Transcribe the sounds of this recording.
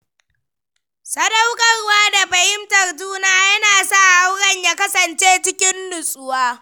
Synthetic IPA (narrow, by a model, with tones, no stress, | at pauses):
sɐ˦da˦wkʼɐ˨rwaː˦da˨ɸɐ˨hɪ˦mtɐ˨rduː˦naː˦jɐ˦naː˨sa˦˨ha˦wɽɐ˦˨ɲjaː˦kɐ˦sɐ˨nt͡ʃeː˦t͡ʃɪ˦kʲɪ˦nːʊ˨sʼʊ˦waː˦